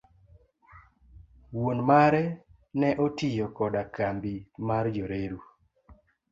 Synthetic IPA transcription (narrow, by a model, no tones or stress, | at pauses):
wonmaɾɛ | nɛʔotijɔkɔdakambimaɾjoɾeɾu